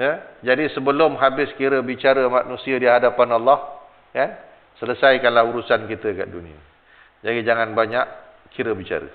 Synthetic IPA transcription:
jəd͡ʒadisəbəlʊmɦabɪskiɾəbit͡ʃaɾəmaʔnũsiədiɦadapanalːɔh | kan | sələsajkanlahuɾusankit̪əka̰ʔdunĩa̰ | d͡ʒadid͡ʒaŋanbaɲaʔ | kʰiɾəbit͡ʃa̰ɾə̰

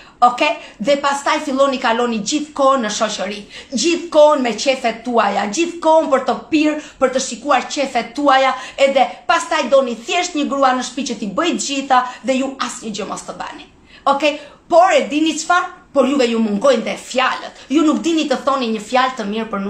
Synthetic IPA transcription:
ɔkɛðɛpast̪ajfilˠɔnikalɔnid͡ʑiθkɔnːəʃɔʃəɾid͡ʒiθkɔnmɛt͡ʃɛfɛt̪ːuajad͡ʑiθkɔnpəɾt̪əpiɾpəɾt̪əʃikuaɾt͡ʃɛfɛt̪ːuajaɛðɛpast̪ajd̪ɔniθjɛʃt̪ɲəɡɾuanəʃpit͡ʃət̪ibəjt̪əd͡ʒiθaðɛjuasɲəd͡ʒəmɔst̪əba̰ni | ɔkɛjpɔɾɛd̪init͡ʃfanpɔɾjuvɛjumuŋɡɔjnðɛfjalət̪junukd̪init̪əθɔniɲəfjalt̪əmiɾpəɾn

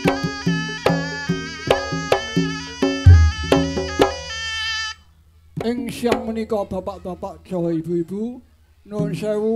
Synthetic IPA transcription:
ɪŋʃiaŋmunikɔb̥apaʔb̥apaʔd͡ʒɔibuibu | nʊnʃɛwu

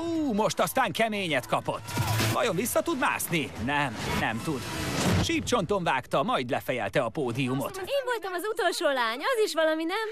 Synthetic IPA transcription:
uːmo̞ʃt̪ɒst̪aːŋkɛmeːɲɛt̪kɒpo̞t̪ːvɒjo̞ɱvisːɒt̪ud̪ma̰ːsninɛmnɛ̰mt̪ud̪ʃiːp̚t͡ʃo̞nt̪o̞ɱvaːkt̪ɒmɒjd̪lɛfɛjɛ̰lt̪ɛɒpoːd̪iumo̞t̪eːɱvo̞lt̪ɒmɒzut̪o̞lʃoːlaːɲɒziʃʋɒlɒminɛm

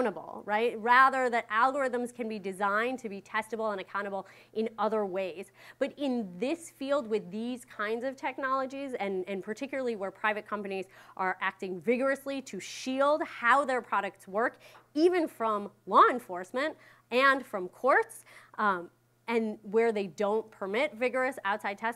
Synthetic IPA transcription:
ɾ̃əbl̩ˠɹaɪt̚ɹæðə˞ðɨɾʔælˠɡə˞ɪðə̃mz̥kʰɨ̃nbidɨzãɪ̃ntʰɨbitʰɛstəbl̩ˠə̃ñɨkʰãʊ̃ɾ̃əbl̩ˠ | ʔɨ̃nʌðə˞weɪzb̥ʌɾɪ̃nðɪsfilˠd̚wɪðiz̥kʰãɪ̃ndzʌv̥tʰɛk̚nɑlˠəd͡ʒizɨ̃nɨ̃npʰə˞tʰɪkjl̩ˠə˞l̩ˠiwə˞pʰɹ̥aɪvɨt̚kʰʌ̃mpɨnizʔə˞ʔæk̚tɪ̃ŋvɪɡə˞ɨsliɾɨʃilˠd̚haʊðə˞pʰɹ̥ɑɾɨk̚tswɜ˞kivɨ̃nfɹʌ̃mlɔɨ̃ɱfɔɹsmɨ̃nt | ɨ̃nfɹʌ̃mkʰɔɹts | ɨ̃nwə˞ðeɪdõʊ̃npʰə˞mɪtvɪɡə˞ɨsaʊtsaɪd̚tʰɛs

